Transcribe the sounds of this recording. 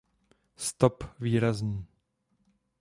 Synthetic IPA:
st̪opviːɾazɲiː

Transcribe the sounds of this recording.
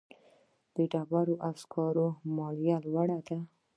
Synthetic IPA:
d̪̥əɖabaɾoʔaskʰɑɾomɑljalwaɽad̪a

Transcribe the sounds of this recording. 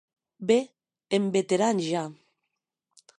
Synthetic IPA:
be | embet̪eɾanʒa

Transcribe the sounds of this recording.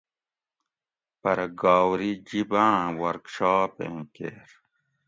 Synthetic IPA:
pɐɾɐɡaːwɾid͡ʑibãːwɐɾkɕaːpḛ̃ːkḛːɾ

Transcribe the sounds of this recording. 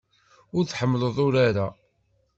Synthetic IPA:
ʊɾθħəmːləðˤʊɾaɾa

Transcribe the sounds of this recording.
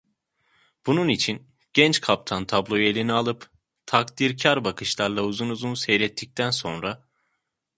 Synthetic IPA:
b̥ununit͡ʃʰin | ɟ̥ɛnt͡ʃkʰap̚t̪ʰant̪ʰablˠo̞jelʲinialˠɯp | t̪ʰakd̪iɾcʰaɾbakʰɯʃlˠaɾlˠauzunuzunsɛjlɛt̪ʰːic̚t̪ʰænso̞nɾa

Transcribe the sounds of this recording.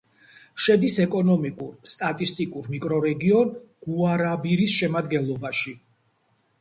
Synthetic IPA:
ʃɛd̪isɛkʼɔnɔmikʼuɾst̪ʼat̪ʼist̪ʼikʼuɾmikʼɾɔɾɛɡiɔnɡ̥uaɾabiɾisʃɛmad̪ɡɛnlˠɔbaʃi

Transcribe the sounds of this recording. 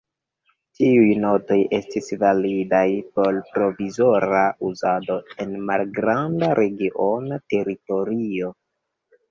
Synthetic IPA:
tiujno̞to̞je̞stisvalidajpo̞lpɾo̞vizo̞ɾauzado̞e̞nmalɡɾandaɾʔe̞ɡiʔo̞nate̞ɾito̞ɾio̞

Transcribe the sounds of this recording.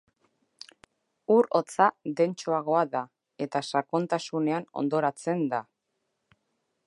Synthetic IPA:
uɾo̞t͡saðe̞nt͡ʃoaɣ̞o̞aða | e̞t̪asako̞nt̪asune̞ano̞̰nd̪o̞ɾat͡se̞nd̪a

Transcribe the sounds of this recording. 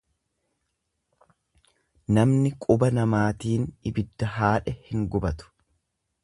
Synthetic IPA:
nɐmnɪkʼʊbɐnɐmaːt̪iːnɪbɪd̪ːɐɦaːᶑɛhɪŋɡʊbɐt̪ʊ̥

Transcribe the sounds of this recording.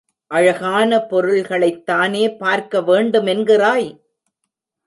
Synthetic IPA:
ʔɐɻɐɣaːnɐpɔɾɯɭɣɐɭɐɪt̪ːaːneːpaːɾkɐʋeːɳɖɯmɛnɡɪraːj

